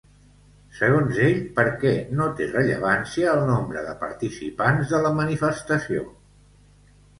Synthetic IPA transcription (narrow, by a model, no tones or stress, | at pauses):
səɣ̞onzeʎpəɾkɛnot̪erəʎə̰β̞ansiəːlˠnombɾəðəpəɾt̪isḭpanzðələmənifəst̪əsio̰